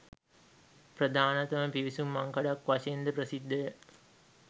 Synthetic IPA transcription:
prəd̪aːnɐt̪ɐməpiʋisumːaŋkaɖakʋaʃeːnd̪əprəsid̪ʱːɐjə

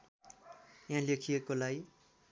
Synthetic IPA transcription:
jãlekʰijekolaj

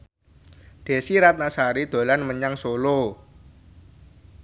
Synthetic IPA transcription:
d̪̥e̤siɾat̪̚nasaɾid̪̥o̤lanməɲaŋsolo

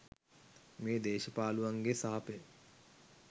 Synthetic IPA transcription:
meːd̪eːʃəpaːluʋaŋɡesaɦɐpe

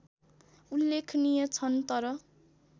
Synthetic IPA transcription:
ulːekʰnijʌt͡sʰʌnt̪ʌɾʌ

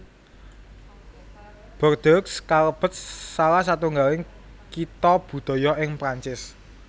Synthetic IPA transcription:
b̥ərd̪̥ɔkskaləb̥ə̤t̪̚salahs̬at̪uŋɡalɪŋ | kit̪ɔb̥ṳd̪̥ɔ̤jɔʔɪŋpɾaɲt͡ʃɪs

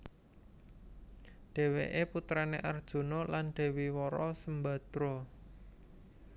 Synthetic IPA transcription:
ɖ̥e̤wḛʔeput̪ɾanḛʔard̥ʒ̥o̤nɔlanɖ̥ɛ̤wiwɔɾɔsəmba̤d̪̥ɾɔ

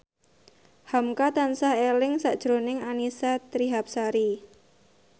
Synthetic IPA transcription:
hamkat̪ansahelɪŋsaʔd̥ʒ̥ɾonɪŋanisat̪ɾiɦap̚saɾi

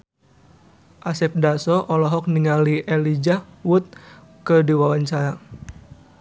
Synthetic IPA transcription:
ʔasɛp̚dasɔʔɔlɔɦɔk̚niŋaliʔɛlid͡ʒahwut̪̚ | kədiwawaɲt͡ʃaɾa

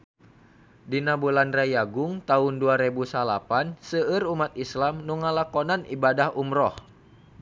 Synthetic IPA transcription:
dinabulanrajaɡʊŋt̪aunduaɾebusalapansəərumat̪islamnuŋalakonanibadahumɾɔh

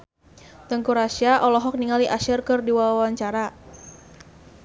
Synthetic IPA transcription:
t̪əŋkuɾasiaʔɔlɔɦɔk̚niŋaliʔaʃɪrkɨrdiwawwaɲt͡ʃaɾa

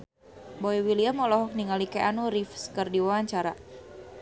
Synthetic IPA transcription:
boiwiliamɔlɔɦɔk̚niŋalikɛʔanuɾifskərdiwawaɲt͡ʃaɾa

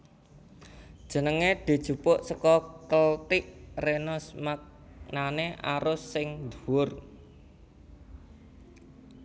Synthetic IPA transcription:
d̥ʒ̥ə̤nəŋed̪̥i̤d̥ʒ̥ṳpʊʔsəkɔkəlt̪ɪʔrenʊsmak̚naneʔaɾʊsːɪŋd̪uwʊr

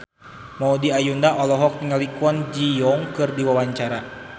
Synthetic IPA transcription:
maudiajundaʔɔlɔɦɔk̚niŋalikuɔnd͡ʒijɔŋkɨrdiwawaɲt͡ʃaɾa

